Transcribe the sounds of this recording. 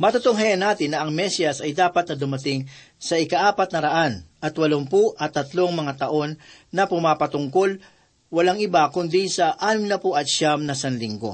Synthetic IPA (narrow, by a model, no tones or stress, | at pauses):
mɐt̪ʊt̪oŋɦɐjɐnaːt̪ɪnːɐʔɐŋmɛsiɐsɐjd̪aːpɐt̪̚nɐd̪ʊmɐt̪ɪŋ | sɐʔɪkɐʔaːpɐt̪̚nɐɾɐʔanʔɐt̪wɐloŋpuʔɐt̪ːɐt̪lo̞ŋmɐŋat̪ɐʔo̞nːɐpʊmaːpɐt̪ʊŋko̞l | wɐlaŋɪbakʊnd̪isɐʔaːnɪmnɐpoʔɐt̪̚ʃamnɐsɐnlɪŋɡo̞̰